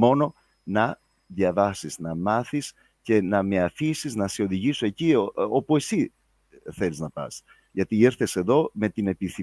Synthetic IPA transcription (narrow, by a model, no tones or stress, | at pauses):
mo̞no̞ | nɐ | ðʝɐvɐsiznɐmɐθis | ce̞nɐme̞ɐfisiznɐseo̞ðiʝisuecio̞pue̞si | θe̞liznɐpɐ̰s | ʝɐt̪ieɾθe̞se̞ðo̞me̞t̪ine̞piθi